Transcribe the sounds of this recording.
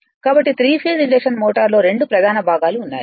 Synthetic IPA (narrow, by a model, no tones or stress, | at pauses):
kaːbɐʈːit̪ɾiːpʰeɾileːʂɐnmoːʈɐɾlo̞ːɾe̞ɳɖupɾɐd̪ʱaːnɐbʱaːɡaːluːnːa̰ːju